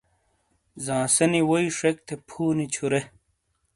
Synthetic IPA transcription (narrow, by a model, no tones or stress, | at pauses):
zãːsɐniwoiʂek̚t̪ʰepʰuːnit͡ɕʰuɾe